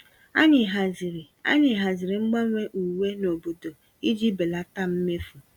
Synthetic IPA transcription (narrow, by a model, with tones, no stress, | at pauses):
a̰˦ɲɪ˨ɦa˨zi˨ɾi˨a̰˦ɲɪ˨ɦa˨zɪ˨ɾɪ˨ŋ͡m̩˦ɡ͡ba˦ŋʷe˦ʔu˨we˦no˨bo˨do˨ | i˦d͡ʒi˦be˨la˦ta˦m̩˦me˦fu˨